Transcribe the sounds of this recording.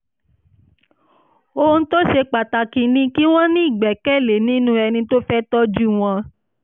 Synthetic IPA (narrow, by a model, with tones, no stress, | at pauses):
o˧n̩˦to˦ʃe˧k͡pa˨ta˨ki˨nĩ˧˦ki˦w̃ɔ̃˦nĩ˦i˦˨ɡ͡bɛ˨kɛ˦˨le˨nĩ˨˦nũ˦ɛ˧nĩ˧to˦fɛ˦tɔ˦d͡ʒu˦w̃ɔ̃˧